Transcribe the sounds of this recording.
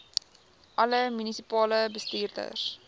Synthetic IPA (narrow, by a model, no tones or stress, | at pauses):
ʔɐləmynisipɑːləbəstiːrdə̰r